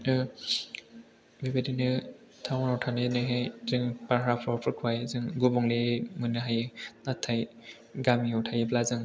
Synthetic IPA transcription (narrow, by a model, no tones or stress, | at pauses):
bebedinɯ | tʰawnɔtʰanɯnɯɦezɯŋpaɾɦapʰɔpʰɯɾkʰwajzɯŋɡubɔŋlemɯnɯɦajɯnatʰːaj | ɡamiɔtʰajɯplazɯŋ